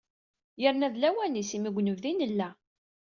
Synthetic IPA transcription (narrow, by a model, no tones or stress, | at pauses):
jəɾnæðlæwænisimiɡʷnəvðinəlːæ